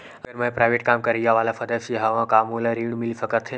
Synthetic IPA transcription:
ɐɡəɾmə̃pɾaːɪʋeːʈ̚kaːmkɐɾijaʋaːlafʰɐd̪əʃiɦaʋãkaːmolaɾiːɽmɪlifɐkəɾt̪ʰe

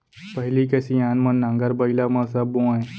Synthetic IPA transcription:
pəɦilikɛsijãnmənːãŋɡaɾbəilaməs̬abõãe

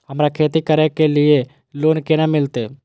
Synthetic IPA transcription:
ɦəmɾakʰeːt̪ikəɾekelɪe | loːnkenamɪlt̪e

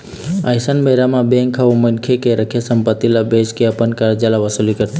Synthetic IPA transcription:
ajsənbəɾamãbẽŋkʰːaumənkʰekeɾəkʰjasəmpət̪ːilabeskeəpənkaɾd͡ʒalaʋəsulikəɾt̪i

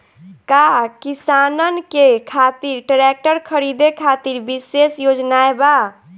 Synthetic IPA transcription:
kakisanənkekʰat̪iɾʈɾek̚ʈəɾkʰəɾid̪ekʰat̪iɾbisesjod͡ʒnaeba

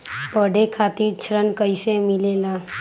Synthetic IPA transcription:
pəɖekʰaːt̪iɾt͡ʃʰɾənkəisemɪlelaː

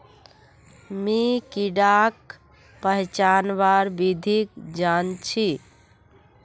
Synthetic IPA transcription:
mikiɖak̚ | pəɦt͡ʃanbaɾbid̪ʱik̚d͡ʒant͡ʃʰi

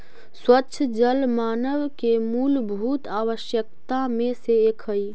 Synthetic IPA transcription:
swətːʃʰəd͡ʒəlmanəwkemulbʱut̪aʋəʃjək̚t̪ameseːkʰəj

